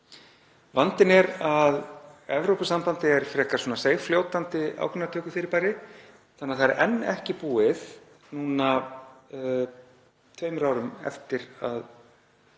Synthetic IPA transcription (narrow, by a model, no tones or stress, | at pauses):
vant̪ɪnɛɾaðɛvɾowpʏsampant̪ɪɛɾ̥fɾɛhkasɔnaseːjfljoːwt̪ant̪ɪa̰ːwkɾʏnɾat̪ʰœːkʏ̥fɪɾɪɾpaːjɾɪ | θanːaθaɾɾʔɛ̰nːɛ̰hcɪpuːɪð | nuːna | t̪ʰveːɥmɾaːwɾʏmɛ̰ft̪ɪɾa̰ð